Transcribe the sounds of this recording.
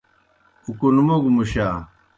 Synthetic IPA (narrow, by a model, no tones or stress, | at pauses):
ukunumoɡmuɕaː